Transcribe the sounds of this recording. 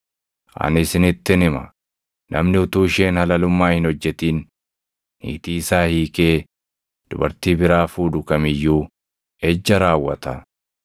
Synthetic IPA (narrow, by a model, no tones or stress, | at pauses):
ʔɐ̰nɪsɪnɪt̪ːɪnɪmɐ̰ | nʔɐ̰mnɪʊt̪uːʃe̞ːnhɐlɐlʊmːaːhɪnɔd͡ʒːɛt̪iːn | ḭːt̪iːsaːhiːkeː | d̪̥ʊbɐ̰ɾt̪iːbɪɾaːfuːᶑ̪ʊkɐmɪjːuː | ɛd͡ʒːɐɾaːwːɐt̪ɐ